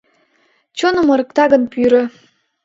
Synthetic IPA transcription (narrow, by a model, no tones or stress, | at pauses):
t͡ɕonə̆mɤ̆ɾɤ̆kt̪ɑɣə̆npyɾə̆